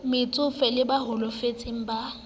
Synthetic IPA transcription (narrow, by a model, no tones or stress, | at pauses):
mɪt͡sʼʊfɛlɪbaɦʊlɔfet͡sʼɪŋ̩ba